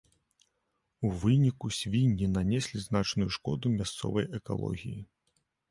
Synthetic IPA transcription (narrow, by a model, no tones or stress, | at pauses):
uvɨnʲikusʲvʲinʲːinanʲɛsʲlʲiznat͡ʂnujuʂkɔ̰d̪umʲast̪sɔ̰vɐjʔɛka̰lˠɔ̰ɣʲiji